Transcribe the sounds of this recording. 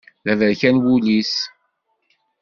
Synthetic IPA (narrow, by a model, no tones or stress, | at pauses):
ðævəɾçænwulis